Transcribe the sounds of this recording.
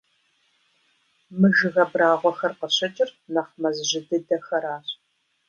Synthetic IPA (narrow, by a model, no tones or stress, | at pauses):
mɨʒɨɣɐbraːʁʷɔxɐrqəɕɐt͡ʃʼɪrnɐχmɐzʑɪdɨdɐxɐɾaːɕ